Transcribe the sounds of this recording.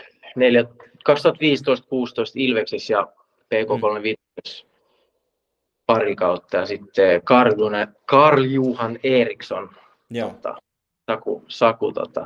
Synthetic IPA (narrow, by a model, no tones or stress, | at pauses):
neljækɑkst̪uɑt̪ʋiːst̪oist̪kuːst̪oist̪ilʋeksisjɑ | peːkoːkolmeʋit̪ | is | pɑrikɑut̪ːɑjɑsit̪ːekɑrjunɑkɑrljuːhɑneːrikson | ot̪ɑ̰ | sɑkṵsɑkut̪o̰t̪ɑ̰